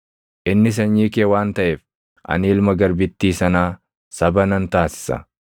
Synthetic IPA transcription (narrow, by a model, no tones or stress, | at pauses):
ʔɪnːɪs̬ɐɲːiːkeːwaːnt̪ɐʔɛf | ʔɐ̰niːlmɐɡɐɾbɪt̪ːiːsɐnaː | sɐbɐnɐnt̪aːsɪ̥sɐ̰